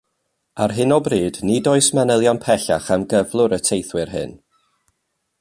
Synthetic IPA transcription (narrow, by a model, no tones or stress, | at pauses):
arɦɨnɔbriːdnidoɨsmanəlˠjɔnpʰɛɬaχanɡəvlˠʊɾətʰejθwɪrɦɨ̰n